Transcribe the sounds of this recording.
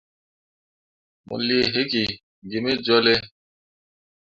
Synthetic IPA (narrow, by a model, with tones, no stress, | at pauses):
mɔ̰̃˨li˦e˨ɦe˦ki˨ | ɡe˨me˦d͡ʒɔ˦le˦